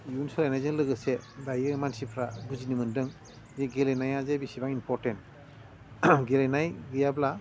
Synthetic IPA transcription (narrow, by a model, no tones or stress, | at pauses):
junsɔlajnajzɯŋlɯɡɯsedajɯmansipʰɾaɡuzinimɯndɯŋ | zeɡelenajazebisibaŋinpʰɔɾtent | ɡelejnajɡɯjabla